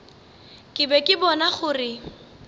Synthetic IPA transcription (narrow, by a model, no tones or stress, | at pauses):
kʼɪbɛkʼɪbɔnaχʊrɪ